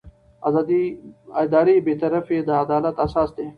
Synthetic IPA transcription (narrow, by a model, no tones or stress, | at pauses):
d̪iɪd̪aːɾibeːt̪ɐɾəfed̪əɐd̪aːlət̪ɐsaːsd̪eː